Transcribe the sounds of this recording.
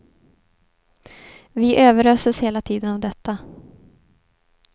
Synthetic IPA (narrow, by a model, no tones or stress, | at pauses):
vɪʔøːvəɾøːsəsheːlat̪ʰiːd̪ənavd̪ɛt̪ːa